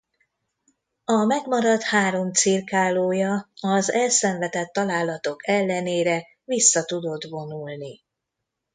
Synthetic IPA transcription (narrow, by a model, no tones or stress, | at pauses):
ɒmɛɡmɒɾɒt̪haːɾo̞mt̪sirkaːloːjɒɒzɛlsɛɱvɛt̪ɛt̪ːɒlaːlɒt̪o̞kɛlːɛneːɾɛ | visːɒt̪ud̪o̞d̪vo̞nulni